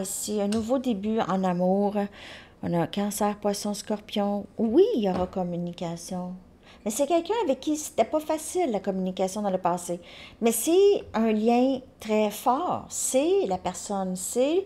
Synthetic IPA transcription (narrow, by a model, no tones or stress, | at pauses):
isiɛ̃nuvod̪ebyɑ̰̃namuːʁɔ̃nakɑ̃sɛːʁpwasɔ̃skɔʁpjɔ̃wijɔʁɑkɔmynikʲasjɔ̃ | mɛsɛkʲɛlkʲœ̃avɛkʲːise̥t̪ɛpafasɪlːakɔmynikʲasjɔ̃d̪ɑ̃ləpɑːsemɛsɛə̃ljɛ̃t̪ʁɛfɑːʁselapɛʁsɔnse